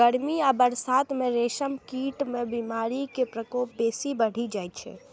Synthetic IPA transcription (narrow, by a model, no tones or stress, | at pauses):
əɽmiabəɾsaːt̪mẽɾeːʃəmkiːʈmẽbimaːɾikepɾəkoːp̚beːsibəɽ̤id͡ʒajt̪t͡ʃʰɛ̰